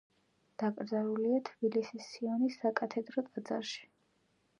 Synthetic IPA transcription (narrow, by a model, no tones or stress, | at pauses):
d̪̥akʼɾd̪zaɾuliat̪ʰbilisisːiɔnisːakʼat̪ʰɛd̪ɾɔt̪ʼad̪za̰ɾʃi̥